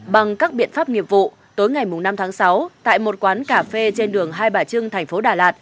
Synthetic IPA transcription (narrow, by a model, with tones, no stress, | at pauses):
ɓa˨˩ŋkaː˦˥k̚ɓḭ˧˨ənfaː˦˥p̚ŋi˨˩əp̚vṵ˧˨ | t̪o˨˦jŋa˨˩jmʊ˨˩ŋ͡mna˧mt̪ʰaː˨˦ŋsa˨˦wt̪a̰ː˧˨jmo˨˩t̚kwaː˨˦nkaː˧˩fe˧t͡ɕe˧nɗɨ˨˩əŋɦaː˧jɓaː˧˩t͡ɕɨ˧əŋt̪ʰɛ˨˩ŋ̟fo˨˦ɗaː˨˩laː˨˩t̚